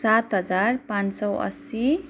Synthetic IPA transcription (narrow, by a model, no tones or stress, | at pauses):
sat̪ɦʌd͡zarpãnsʌwʔʌ̰si